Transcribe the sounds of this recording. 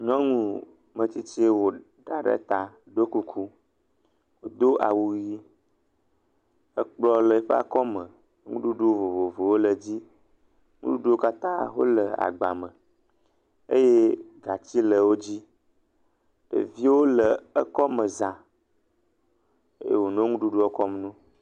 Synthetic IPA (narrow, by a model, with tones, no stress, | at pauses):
ɲɔ̃˦ŋũ˦ | mə˨t͡ɕi˦t͡ɕe˦wo˨ | ɖa˨ɖə̰˦t̪a˦ | ɖo˦ku˦kʰu˦ | wo˦d̪o˦ʔa˨wu˨ji˦ | ə˦k͡plɔ˦lə˨˦ɸə˦a̰˨kɔ˦mə˨ | ŋṵ̃˦ɖu˦ɖo˦vo˨vo˨vo˨wo˦lə˨d͡ʑi˦ | ŋṵ̃˦du˦ɖu˦wo˦ka˦t̪ã˦wo̰˦lə˨a̰˨ɡ͡ba̰˨mə˨ | ḛ˦je˦ɡa˨t͡ɕi˦lə˨wo˦d͡ʑi˦ | ɖ̥ə̰˨vi˦wo˦lə˨ə˦kɔ˦mə˨zã˨ | e˦jḛ˦wo˨nõ˦ŋũ˦ɖu˦ɖo˦ɔ˦kɔ˦mnũ˦